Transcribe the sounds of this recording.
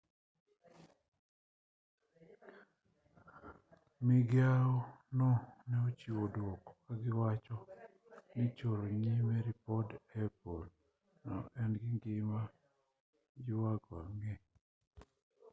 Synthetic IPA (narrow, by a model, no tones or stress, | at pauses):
mɪɡjaɔnɔnɛot͡ʃiwodwɔkɔkaɡɪwat͡ʃɔ | nɪt͡ʃoɾoɲimɛɾipɔdɛpol | nɔ̰ɛnɡɪŋɡɪma | d͡ʒɪwaɡɔaŋɡe